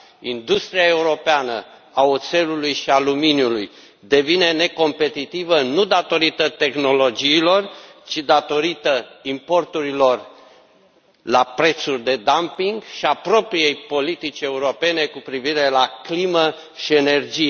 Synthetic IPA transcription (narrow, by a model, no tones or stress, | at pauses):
ind̪ust̪ɾiae̞uɾo̞peanə | aot̪se̞lulujʃialuminjuluj | d̪e̞vine̞ne̞ko̞mpe̞t̪it̪ivənud̪at̪o̞ɾit̪ət̪e̞xno̞lo̞d͡ʒiːlo̞rt͡ʃid̪at̪o̞ɾit̪əimpo̞rt̪uɾilo̞r | lapɾe̞t̪surʲd̪e̞d̪ampiŋɡʃiapɾo̞pɾije̞jpo̞lit̪it͡ʃe̞uɾo̞pe̞ne̞kupɾiviɾe̞laklimə | ʃie̞ne̞rd͡ʒije